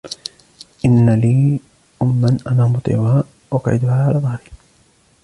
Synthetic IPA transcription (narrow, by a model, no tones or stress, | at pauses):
ʔɪnːaliː | ʔʊmːanʔanaːmʊt̪ˤɪ̰ːʕhaː | wɑqʕɪ̰d̪ʊhaːhaːlaðˤɑhɾi